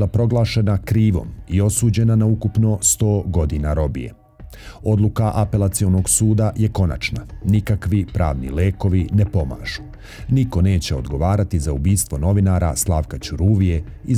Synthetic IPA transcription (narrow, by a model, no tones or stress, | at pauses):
lapɾo̞ɡlˠaːʃe̞nakɾiːʋo̞̰mio̞suːd͡ʑe̞nanaukupno̞st̪o̞ːɡo̞d̪inaɾo̞bḭjḛ | o̞d̪lukaʔape̞lat̪sio̞noɡsuːd̪aje̞ko̞na̰t͡ʃnanikakʋipɾaːʋnḭleːko̞ʋinepo̞ma̰ːʒ̥u | niko̞ne̞ːt͡ɕe̞od̪ɡo̞ʋaːɾat̪izaubiːst̪ʋo̞no̞ʋinaːɾa̰slˠaːʋkat͡ɕuɾuːʋije̞i